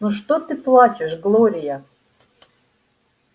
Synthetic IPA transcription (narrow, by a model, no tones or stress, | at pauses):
nuʂt̪ot̪ɨplˠɑt͡ɕɪʃɡlˠoɾʲɪja